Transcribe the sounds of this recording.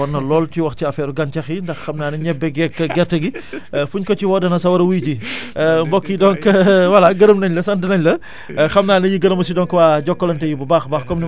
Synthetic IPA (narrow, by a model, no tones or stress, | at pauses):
ɔnːɐlɔːlciwɐxciɐfɛːɾuɡɐnt͡ʃɐxindɐxxɐmnaːnɐɲɛbɛɡɛkːɡɛɾtɐɡifuɲkɔciwɔdɐnɐsɐwɐɾɐwujcimbɔkːidɔnkɐwɐlɐɡɐɾəmnɐɲlɐsɐndɐnɐɲlɐ | xɐmnaːnɐɲiɡɐɾəmɐs̬idɔŋkɐwaːɟɔkːɔlɐntɛjububaːxbaːxkɔmni